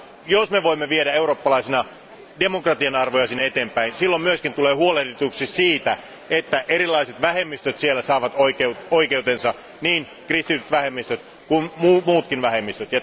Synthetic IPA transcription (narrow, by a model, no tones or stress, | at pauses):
josmeʋoimːeʋieɾæeuro̞ːpːɑlɑisinɑ | de̞mokrɑt̪iɑnɑrʋojɑsiːnːeet̪eːmpæinsilːommyøskint̪uleːhuolehdet̪uksissiːt̪æ | et̪ːæʔeɾilːˑɑiset̪ʋæɦemːist̪øt̪sielːæsɑːʋɑt̪oikeut̪oikeut̪ensɑ | niːn | krist̪it̪yt̪ʋæhemːist̪øt̪ | kummumuːt̪kinʋæhe̞mːist̪øt̪jɑ